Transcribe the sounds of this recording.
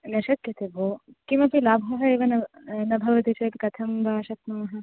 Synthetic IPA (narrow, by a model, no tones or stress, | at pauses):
nɐʃɐt̪̚kɐt̪eboː | kimɐpʰilaːbʱɐɦɐeːʋɐnɐnɐbʱɐʋɐt̪it͡ʃʰɐt̪kɐt̪ʰɐmbʱaːʃɐt̪̚nɐmɐɦɐ̆